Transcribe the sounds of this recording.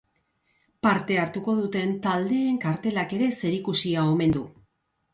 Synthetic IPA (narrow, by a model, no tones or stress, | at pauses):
paɾt̪e̞aɾt̪uko̞ðut̪e̞nt̪ald̪e̞ːŋkaɾt̪e̞lake̞ɾe̞se̞ɾikusiao̞me̞nd̪u